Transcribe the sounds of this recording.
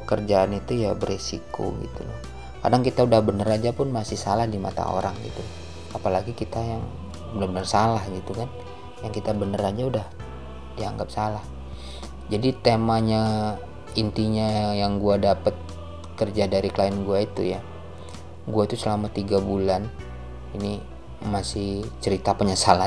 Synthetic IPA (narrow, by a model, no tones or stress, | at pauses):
əkərd͡ʒaːnit̪ujabəresḭkʰo̰ɡḭt̪ṵlɔ̰h | ka̰daŋkit̪audahbənərad͡ʒapʊnmasɪhsalahdima̰t̪a̰o̰ɾaŋɡḭt̪u | apalaɡikit̪ajaŋ | udabənərsalahɡit̪ukan | jaŋkit̪abənəɾad͡ʒaudah | diaŋɡap̚salah | d͡ʒadit̪emaɲa | int̪iɲajaŋɡuadapət̪̚ | kərd͡ʒadaɾikəlaɪnɡuait̪ṵja | ɡuait̪usəlamat̪iɡabulan | ini | masɪht͡ʃəɾit̪apəɲasala